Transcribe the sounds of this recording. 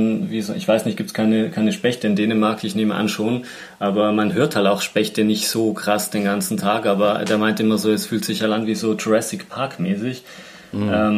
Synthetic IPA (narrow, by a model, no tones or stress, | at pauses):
nviːzoʔɪ̰çv̥aɪsnɪçt̚ɡiːp̚tskʰaɪnəkʰaɪnəʃpɛçtəɪndeːnəmaɐkɪçneːməʔa̰nʃoːn | ʔaːbɐmanɦøːɐthaltaʊxʃpɛçtənɪçtz̥oːkʁ̥asd̥eːnɡant͡sn̩tʰaːkʔaːbɐdeːɐmaɪntəʔɪmɐzoːɛsfyːltz̥ɪçhaltanviːzoːtʰʁɛsɪkpʰaɐkmɛːsɪç | ʔɛːm